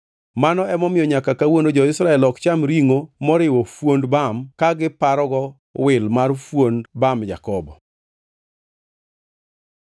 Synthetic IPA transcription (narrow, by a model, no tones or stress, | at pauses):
manɔɛmɔmɪjɔɲakakawonod͡ʒɔɪsɾaɛlɔkt͡ʃamɾiŋomɔɾɪwɔfwondbamkaɡɪpaɾɔɡɔ | wɪlmarfwonbamja̰kɔbɔ